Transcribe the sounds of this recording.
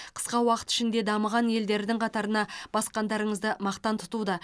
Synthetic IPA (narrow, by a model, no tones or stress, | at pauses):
qʰə̥sqɑwɑqə̥t̪ɪ̥ʃɪnd̪e̞d̪ɑməʁɑnje̞ld̪e̞ɾɪd̪ɪŋqʰɑt̪ɑɾənɑb̥ɑsqɑnd̪ɑɾəɴəzd̪əmɑqt̪ɑnt̪ʰʊ̥t̪ud̪ə